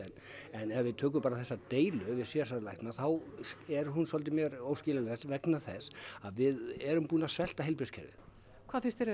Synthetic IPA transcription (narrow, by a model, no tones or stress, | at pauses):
ɛnɛnɛvɪðt̪ʰœːk̬ʏmpaːɾaθɛsːat̪eːjlʏvɪðsjɛsaɾlajht̪naθawɛɾɦunsɔlt̪̬ɪmjɛɾoːwscɪːlalɛsvɛknaθɛsaðvɪðɛɾʏmpuːnaðsvɛl̥t̪aheɪlpɾɪskcʰɛ̰ɾvɪ̰̥ | kʰvaːfɪ̃nst̪ɛɾ